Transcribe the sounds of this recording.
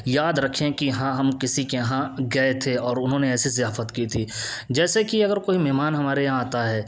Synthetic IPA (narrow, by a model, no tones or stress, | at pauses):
jaːd̪ɾɐkʰẽkiɦãːɦɐmkɪsikeɦãɡɐet̪ʰeɔːɾʊnɦõːneɛːsizɪjaːfət̪kit̪ʰiːd͡ʒɛːsekiɐɡəɾkoːimɛɦmaːnɦɐmaːɾeãaːt̪aɦɛː